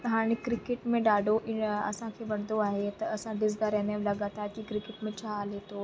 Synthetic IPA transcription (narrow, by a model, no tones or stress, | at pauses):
ɦaːɽ̃ekɾɪkɪʈmẽɗaːɖʱoʔɪɐsãkʰeːʋɐɽ̤̃d̪oaːɦet̪ɐɐsãɖɪzd̪aɾɛːneʋlɐɠaːt̪aːɾt̪ikɾɪkɪʈmẽt͡ɕʰaːleːt̪oː